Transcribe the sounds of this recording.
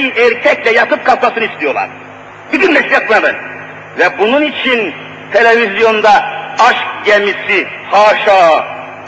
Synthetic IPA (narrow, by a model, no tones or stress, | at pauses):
iʔɛɾcʰɛclʲɛjat̪ʰɯp̚kʰalˠt̪masɯnɯist̪ʰijo̞lˠa̰ɾ | bid̪ʲynmɛsʲjat̪mad̪ɯ̰n | vɛbununit͡ʃʰin | t̪ʰe̞lʲevizjo̞nd̪aaʃkɟemisihaːʃaː